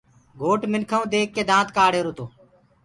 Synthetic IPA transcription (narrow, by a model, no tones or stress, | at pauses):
ɡʱoːʈmɪnkʰaũːd̪eːkːeːd̪ãːt̪kaːɽeːɾoːt̪oː